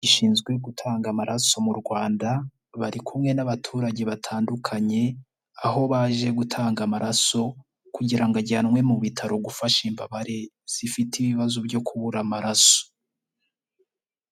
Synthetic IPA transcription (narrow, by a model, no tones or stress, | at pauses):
ɟiʃiːnzɡwe̞ɡutʰaːŋɡamaɾaso̞muɾɡwaːnda | βaɾikʰumŋe̞naβatʰuːɾaɟe̞βatʰaːndukʰaɲe̞ | aho̞βaʒe̞ɡutʰaːŋɡamaɾaso̞ | kuɟiɾaŋɡaɟanŋwe̞muβitʰaɾo̞ɡufaʃimba̰βaɾe | z̥ifitiβiβazubɟo̞kʰuβuɾamaɾaso̥